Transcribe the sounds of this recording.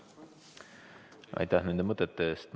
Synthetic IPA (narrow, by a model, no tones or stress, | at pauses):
ʔɑ̰jt̪ːɑhnend̪əmət̪ːˑət̪ːeːst̪m